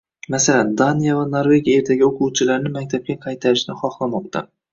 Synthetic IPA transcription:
masaland̪anijavanoɾve̞ɡʲijae̞ɾd̪ʰaɡʲɪoqʰuwt͡ʃʰɪlaɾnɪmak̚ʲt̪ʰab̚kʲaqʰɑjt̪ʰaɾɪʃnɪχɒχlˠamɒq̚t̪ʰa̰

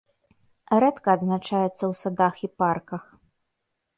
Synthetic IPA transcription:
ɾɛt̪kɐːd̪znat͡ʂajɛt̪sːɐwsad̪axiparkɐx

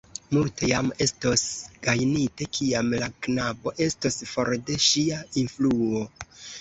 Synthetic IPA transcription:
multejame̞stosɡ̥ajnitekʰiamlaknabo̞ʔe̞stosfo̞ɾde̞ʃiainfluo

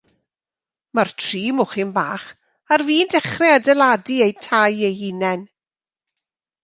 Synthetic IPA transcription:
martʰriːmʊχɪnbaːχ | arviːndɛχrɛadɛlˠadiejtʰajejhinɛn

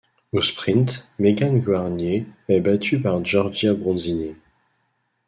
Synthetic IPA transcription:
ospχĩnt̪meɡanɡwaʁnjeɛbat̪ʰypaʁʒɔʁʒjabʁɔ̃zine

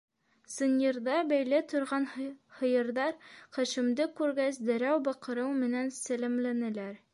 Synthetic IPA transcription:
sɤ̆nʲjeɾd̪ɑbæjlæt̪ŏɾʁɑnhɤ̆jɤ̆ɾðɑɾχæʃɘ̆md̪ɘkːʉɾɡæsd̪æ̆ɾæwbɒqɤ̆ɾɤwmɘ̆nænsælɘ̆mlænɘ̆læɾ

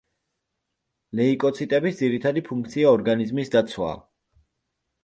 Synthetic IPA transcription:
lɛikʼɔt̪sʰit̪ʼɛbisd̪ziɾit̪ʰad̪ipʰuŋk̚ʰt̪sʰiaɔɾɡanizmisd̪at̪sʰwa̰ː

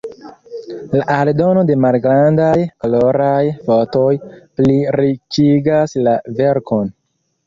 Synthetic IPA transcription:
laʔaldo̞no̞de̞malɡɾandajklo̞ɾajfo̞tojpliɾikiɡaslave̞ɾkon

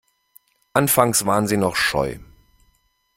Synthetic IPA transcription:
ʔanfaŋsv̥aːʁənziːnɔχʃɔ̰ʏ

